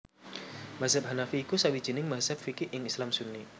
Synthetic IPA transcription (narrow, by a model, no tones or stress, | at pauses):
mazab̚hanafiːkusawid͡ʒənɪŋmaɦzab̚fikɪʔʔɪŋislamsunːi